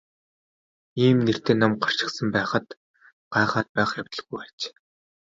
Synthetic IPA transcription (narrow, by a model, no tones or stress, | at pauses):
iːmner̥t̪eːnɔmɢar̥ʃɪ̆sə̆mpæːχə̆t̪ | ɢ̥aːχaːt̪̚pæːχjaw̥ʲt̪ə̆ɮɣujat͡ɕ